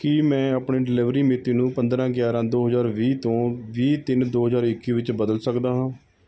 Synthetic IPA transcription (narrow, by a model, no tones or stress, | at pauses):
kimɛ̃ːaːpɳeːɖɪlɪʋɾiːmɪt̪ːiːnũːpənd̪ɾãːɡjaːɾãːd̪oːɦəzaːɾʋiːt̪õːʋiːt̪ɪnd̪oːɦəzaːɾɪkːiːʋɪt͡ʃbəd̪əlsəkd̪aːɦãː